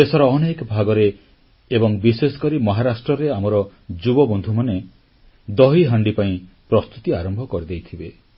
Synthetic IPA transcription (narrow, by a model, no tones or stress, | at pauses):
esɔɾɔːnekɔbʱaɡɔɾeː | bɔŋbisesɔ̥kɔɾimɔɦaɾasʈɾɔɾeamɔɾɔd͡ʒubɔbɔnd̪ʱumane | d̪ɔɦiɦaɳɖipaĩpɾɔst̪ut̪iaɾɔmbʱɔkɔɾid̪ejt̪ʰibe